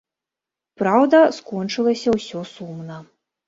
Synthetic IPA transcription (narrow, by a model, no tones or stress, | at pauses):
pɾawd̪ɐskɔnt͡ʂɨlˠɐsʲɐwsʲɔsumnɐ